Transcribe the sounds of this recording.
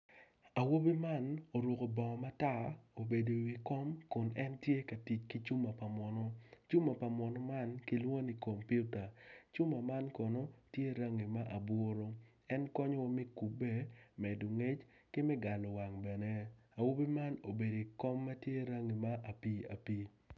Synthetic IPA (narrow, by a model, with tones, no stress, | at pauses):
a˨wo˦bi˦ma˦no˨ɾʊ˨ko˨bɔ˨ma˦ta˦˨o˨be˨do˨wi˨kɔ˦mkʊ˨nɛ˦ntje˦ka˨ti˨t͡ʃki˦t͡ʃu˦ma˨pa˨mɔ˨nɔ˦t͡ʃu˦ma˨pa˨mɔ˨nɔ˦ma˦nki˦lwo˦ni˨ko˨mpju˦ta˨t͡ʃu˦ma˨ma˦nkɔ˨no˦tje˦ɾa˦ŋi˨ma˦ʔa˨bwo˦ɾo˦ | ɛ˦nkɔ˦ɲɔ˦wɔ˦mi˦ku˨be˦mɛ˨du˨ŋe˦t͡ʃ | kɪ˦mɛ˦ɡa˨lɔ˨wa˨ŋbɛ˨nɛ˦a˨wo˦bi˦ma˦no˨be˨do˨kɔ˦mːa˦tje˦ɾa˦ŋi˨ma˦ʔa˨pi˦a̰˨piː˦